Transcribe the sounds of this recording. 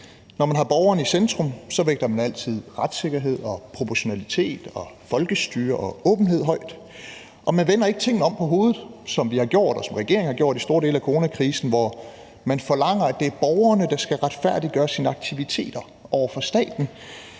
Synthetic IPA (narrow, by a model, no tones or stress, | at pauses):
nɒmænɦɑ̈b̥ɒʊɐːnəisend̥ʁɔ̽msɒ̽ʋeɡ̥d̥ɐmænæl̰t͡sʰið̞̰ˠʁad̥se̝ɡ̥ɐɦe̝ð̞̰ˠɒ̽pʰʁo̝pʰɒɕo̝nælit͡sʰe̝̰ːd̥ɒ̽fɒ̽lɡ̥əsd̥yːɐʔɒ̽ɔ̽ːb̥n̩ɦe̝ð̞̰ˠɦɒ̽ɪ̰d̥ | ʔɒ̽mænʋenɐe̝ɡ̥t͡sʰe̝ŋ̰n̩əɒ̽m̰pʰɒ̽ɦo̝ːðð̩ˠsɒ̽mʋihɑ̈ɡ̥jo̝ɐ̰d̥ɒ̽sɒ̽mʁɛɡ̥e̝ɐ̰eŋhɑɡ̥jo̝ɐ̰disd̥o̝ːɐd̥e̝ːlækʰoʁo̝ːnækʰʁiːsn̩ʋɒ | mænfɒ̽lɑ̈ŋ̰ɐæd̥e̝æɐb̥ɒʊɐnəd̥ɑ̈sɡ̥æʁad̥fæɐ̰d̥iɡ̥ɶːɐsiːnəɑ̈ɡ̥̚t͡sʰiʋit͡sʰe̝̰ːd̥ɐ | ʔɒʊ̰ɐfɒ̽sd̥ɛ̰ːd̥n̩